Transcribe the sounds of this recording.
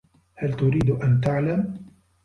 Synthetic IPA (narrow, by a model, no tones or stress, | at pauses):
halt̪ʊɾiːd̪ʔant̪aʕlam